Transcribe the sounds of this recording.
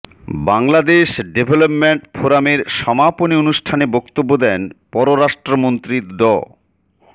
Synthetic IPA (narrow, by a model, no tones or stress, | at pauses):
baŋlad̪eʃɖebʱelopmeɳʈfʰoɾameɾʃɔmaponionuʃʈʰanebɔkt̪obːod̪ɛnpɔɾoɾaʃʈɾomont̪ɾid̪ɔ